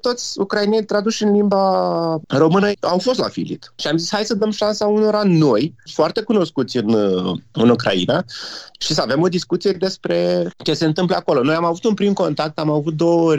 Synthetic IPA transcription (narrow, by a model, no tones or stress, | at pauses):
t̪o̞t̪sʲukɾainent̪ɾad̪uʃʲɨnlimba | ro̞mɨnəawfo̞st̪la̰fḭlḭt̪ʃiamzisʲhajsəd̪əmʃansauno̞ɾano̞jfoart̪e̞kuno̞skut̪sʲɨnɨnukɾʔa̰ḭnaʃisəave̞mo̞d̪iskut̪sije̞d̪e̞spɾe̞t͡ʃe̞se̞ɨnt̪ɨmpləako̞lo̞no̞jamavut̪unpɾimko̞nt̪ak̚t̪amavut̪̚d̪o̞orʲ